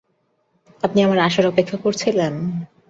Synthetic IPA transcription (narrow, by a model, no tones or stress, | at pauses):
apniamaɾaʃaɾɔpekʰːakoɾt͡ɕʰilen